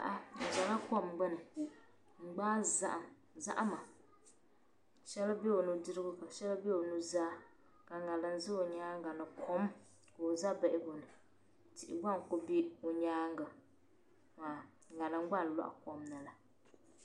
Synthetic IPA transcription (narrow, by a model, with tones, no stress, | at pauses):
a̰˦˨ʔa˦n̩˨za˨la˦ko˦mɡ͡bɛ˦nɨ˨ | ŋ͡m̩˨ɡ͡baː˦za̰˦ʔa˨ | za̰˦ʔa˦ma˨ | ʃɛ˦lbe˦o˨nu˨dɨ˦ɾɨ˦ɡʊ˦ka˨ʃɛ˦lbe˦o˨nu˦zaː˦ | ka˨ŋa˨lɨ˨n̩˦zɨ˦o˨ɲaː˦ŋ˦ɡa˨nɨ˨kʰo˦m˦ | ka˨o˨za˦bɛ˨ʔɪ˦bo˨nɨ˨ | tɪ˨ʔɪ̰˨ɡ͡ba˦ŋ˨kʊ˦bi˦o˨ɲaː˦ŋɡa˨ | maː˨ | ŋa˨lɨ˨ŋ˦ɡ͡ba˦˨n˨lɔ̰˦ʔa̰˨ko˦mna˨la˨